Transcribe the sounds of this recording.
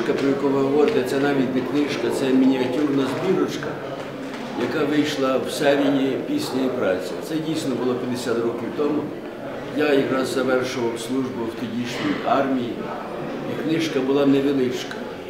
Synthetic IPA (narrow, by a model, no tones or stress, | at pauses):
kɐpɾɔjɐkuʋɪɦɔʋɔɾɪt̪et̪sɛnɑʋʲitʲnɛknɪʃkɐt̪sɛmʲinʲiɐtʲurnɐzbʲiɾɔt͡ʃkɐ | jɐkɑʋɪjʃlˠɐwsɛɾʲijipʲisʲnʲɔjipɾɑt͡sʲit̪sɛdʲijsnɔbʊlˠɔpʲjɐd̪esʲat̪rɔkʲiwt̪ɔmʊ | jajikɾɐzzɐʋɛrʃʊʋɐwslˠuʒbʊwt̪ʊdʲiʃʲnʲijɑrmʲiji | iknɪʃkɐbʊlˠɑnɛʋelˠɪt͡ʃkɐ̥